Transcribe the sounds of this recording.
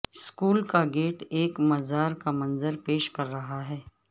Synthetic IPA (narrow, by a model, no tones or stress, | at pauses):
skuːlkaɡeːʈeːkmɐzaːɾkamɐnzəɾpeːʃkɐɾːɐɦaɦɛː